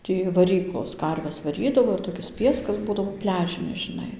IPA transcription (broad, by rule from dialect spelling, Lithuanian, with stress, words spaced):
ˈtʲiː ʋɐˈrʲiːklˠoːs ˈkɐrʲʋʲɛs ʋɐˈrʲiːdɐʋoː ɪr toːˈkʲɪs ˈpʲiɛskɐs ˈbuːdɐʋoː ˈpʲlʲæːʒʲɪnʲɪs ʒʲɪˈnɐɪ